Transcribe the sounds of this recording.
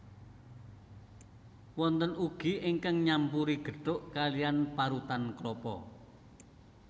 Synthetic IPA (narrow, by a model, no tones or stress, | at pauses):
wɔnt̪ənuɡ̥i̤iŋkaŋɲampuɾiɡ̥ə̤ɖ̥ʊʔkalijanpaɾut̪anklɔpɔ̰